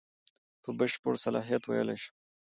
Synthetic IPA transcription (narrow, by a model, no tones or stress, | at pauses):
pəbəʃpəɽsalɑɦijat̪wa̰jə̰lajʃə̥